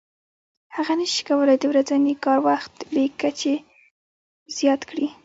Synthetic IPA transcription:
haɣanəʃi̥kawəlajd̪əwɾazanikɑɾwaxt̪likːat͡ʃe | z̥jɑt̪kɽi

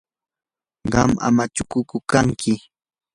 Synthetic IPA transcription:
ɢɑma̰mat͡ʃʊkʊkʊkaŋkʰɪ

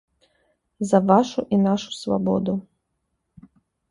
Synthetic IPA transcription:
zɐʋaʃuʔinaʃu̥sva̰bɔ̰d̪u

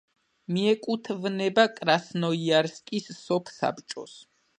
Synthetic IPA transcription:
miɛkʼut̪ʰvnɛbakʼɾasnɔiaɾskʼisːɔpʰsa̰pt͡ʃʼɔ̰s

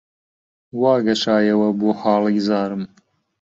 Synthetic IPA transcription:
wɑːɡɐʃaːjɐwɐboːxɑːliːzaːɾɨm

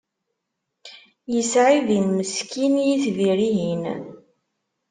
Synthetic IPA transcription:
jəsʕiðinməskinjiθviɾiɦin

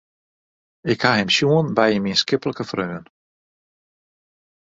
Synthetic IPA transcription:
ɪkhaɦɪmsjuənbɛjəminskɪpələkəfrøːən

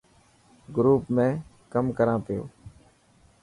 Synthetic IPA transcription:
ɡɾuːpmẽː | kəmkəɾãːt̪ɪjo̰ː

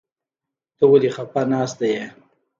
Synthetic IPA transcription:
t̪əwalixapanɑːsd̪aje

